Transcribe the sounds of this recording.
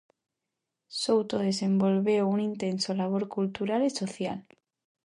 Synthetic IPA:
sowt̪oð̞e̞se̞mbo̞lβeounint̪e̞nsolaβ̞o̞ɾkult̪uɾaliso̞θjal

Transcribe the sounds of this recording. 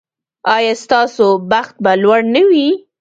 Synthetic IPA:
ɑjɑst̪ɑsobaxt̪̚balwaɽnəwi

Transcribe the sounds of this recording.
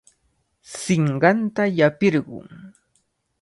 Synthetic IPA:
sɪɴɢɑnt̪ajapɪɾɢʊ̰ŋ

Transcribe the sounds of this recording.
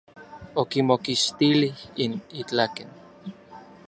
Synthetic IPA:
okimokiʃt̪ilihinit͡ɬaken

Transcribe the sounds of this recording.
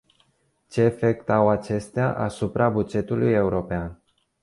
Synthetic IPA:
t͡ʃe̞ːfe̞k̚t̪awat͡ʃe̞st̪eaʔasupɾabud͡ʒe̞t̪uluje̞uɾo̞pean

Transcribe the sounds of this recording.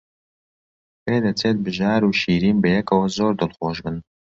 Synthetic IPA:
peːd̪ɐt͡sʰeːt̪̚bɨʒaːɾuːʃiːɾiːnbɐjɛkʰɐwɐzoːɾd̪ɨlχoːʒbɨn

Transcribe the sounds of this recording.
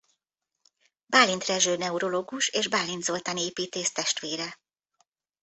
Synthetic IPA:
baːlːint̪rɛʒøːnɛuɾo̞loːɡuʃeːʒbaːlːind̪zo̞lt̪aneːpiːt̪eːʃt̪ɛʃt̪ʋeːɾɛ

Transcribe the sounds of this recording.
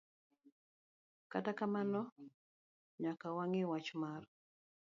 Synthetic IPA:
katakamanɔ | ɲakawaŋɪwat͡ʃmaɾ

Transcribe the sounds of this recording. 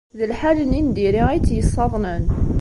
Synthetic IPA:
ðəlħalənind̪iɾiit͡sːjəsˤːɑðˤnən

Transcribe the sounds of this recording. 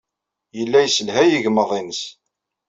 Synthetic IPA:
jəlːæjsəlɦæjiʝməðˤinəs

